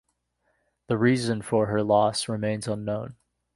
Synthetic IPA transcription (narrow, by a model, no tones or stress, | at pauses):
ðəɹizɨ̃nfə˞ə˞lɔsɹɨmẽɪ̃nzʌ̃nːõʊ̃n